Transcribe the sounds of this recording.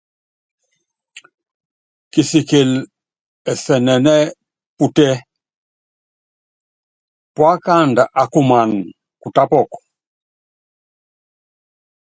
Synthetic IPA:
ki˨si˨ke˨l | ɛ˨sɛ˨nɛ˨nɛ˦ | pu˨tɛ˦ | pwa˦ka˦˨nda˨ʔa˨ku˦˨ma˨n˨ | ku˨ta˦pɔ˦˨kɔ̥˨

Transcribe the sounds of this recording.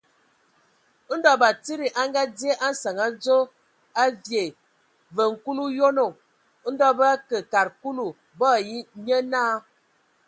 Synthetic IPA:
n̩˦dɔ˦ba˨ti˦ɾi˨ʔa˦ŋɡa˦dje˦ʔa˦n˦sa˨ŋa˨˦d͡zo˦ | a˦vje˨ | və˨ŋ̩˨ku˦lu˦jo˦no˨˦ | n̩˦dɔ˦bə˦a˦kə˨ka˨ɾku˦lu˨ | bɔ˦˨ji˦ɲə˦naː˦

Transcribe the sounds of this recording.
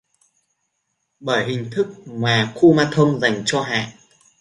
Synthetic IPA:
ɓəː˧˩jɦï˨˩ŋ̟t̪ʰɨ˦˥k̚ŋwaː˨˩xu˧maː˧t̪ʰə˧wŋ͡mza˨˩jŋ̟t͡ɕɔ˧ɦa̰ː˧˨ʔ

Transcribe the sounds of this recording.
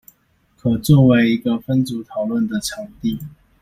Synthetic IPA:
kʰɤ˨˩t͡swɔ˥˨we˧˥ɪi˧˥ɡə˧fə˦nt͡su˨˧˥t̪ʰɑ˨˩ʊlwə˥˩nd̪ə˨ʈ͡ʂʰɑ˧˥ŋt̪i˥˨

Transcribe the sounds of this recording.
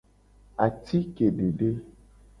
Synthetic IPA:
a˨t̪i˦ke˨ɖe˨ɖe˦

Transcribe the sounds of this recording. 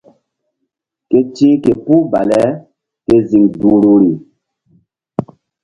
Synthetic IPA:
ke˦t͡ʃĩ˦ke˨pu˦ba˨lɛ˨˦ | ke˦zi˨ŋdu˨ɾo˨ɾi˨

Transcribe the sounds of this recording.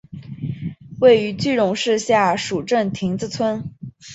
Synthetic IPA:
we˥˩ɪy˧˥t͡ɕy˥˧ɻʊ˧˥ŋʂɻ̩˥˧ɕja˥˩ʂu˨˩ʈ͡ʂə˥˩nt̪ʰi˧˥ŋt͡sɹ̩˧t͡sʰwə˥n

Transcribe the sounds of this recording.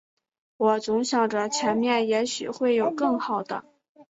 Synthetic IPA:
wɔ˨˩t͡sʊ˧˥ŋɕjɑ˨˩ŋʈ͡ʂə˧t͡ɕʰjɛ˧˥nmjɛ˥˩njɛ˧˥ɕy̰˨˩xwe˥˩ɪjo˨˩ʊkɤ˥˩ŋxɑ˨˩ʊd̪ə̰˦

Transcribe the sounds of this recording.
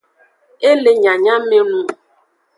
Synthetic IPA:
e˦le˦ɲa˨ɲa˦me˦nũ˦

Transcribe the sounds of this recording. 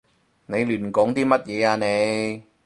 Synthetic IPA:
ne˨˧jlyː˨˩nkɔː˨˥ŋt̪iː˥mɐ˥t̚jɛː˨˧aː˧ne˨˧j

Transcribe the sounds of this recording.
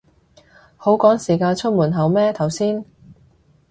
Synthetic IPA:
ho˨˥wkɔː˨˥ŋsiː˨˩kaː˧nt͡ʃʰɵ˥t̚muː˨˩nɦɐ˨˩wmɛː˥t̪ʰɐ˨˩wsiː˥n

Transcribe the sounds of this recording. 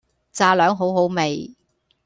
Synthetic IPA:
t͡saː˧lœː˨˥ŋɦo˨˥wɦo˨˥wme˨j

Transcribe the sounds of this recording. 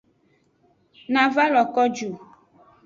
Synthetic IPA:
nã˨va˦lɔ˨kɔ˦d͡ʒu˨

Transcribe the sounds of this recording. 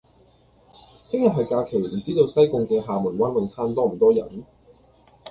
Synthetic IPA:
t̪ʰɪ˥ŋjɐ˨˩ɦɐ˨jkaː˧kʰe˨˩jm̩˨˩t͡siː˥t̪o˧wsɐ˥jkʊ˨˧ŋkɛː˧ɦaː˨˧mʊ˨˩nwɐ˥nwɐ˨˧ŋt̪ʰaː˧nt̪ɔː˥m̩˨˩t̪ɔː˥jɐ̰˨˩˦n

